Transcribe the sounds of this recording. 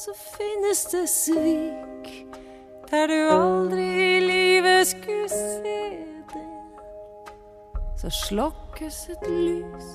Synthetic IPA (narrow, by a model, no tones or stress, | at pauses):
sɔfɪnːəsd̪esʋiːk | d̪̥æɖʉɑld̪ɾɪɪliːʋəskʉlseːd̪e | sɔ̰ʂlɔkːəsɛt̪lyːs